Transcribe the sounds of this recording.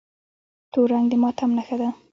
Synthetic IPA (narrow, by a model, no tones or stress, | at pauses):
t̪oɾaŋɡd̪əmɑt̪ʰamnaxad̪a